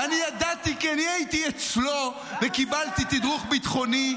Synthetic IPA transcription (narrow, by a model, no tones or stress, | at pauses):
anijad̪at̪ikianiajit̪iet͡slo̞ | vekibalt̪it̪id̪ʁuχbit̪χo̞ni